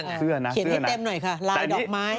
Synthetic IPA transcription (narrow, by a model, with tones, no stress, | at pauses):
sɯ˥˩ɐna˦i˩˦ɯ˥˩i˩˧˩t̪e˧mnɔ˨˩jkʰa˥˩laː˧jdɔː˨˦k̚maː˦˥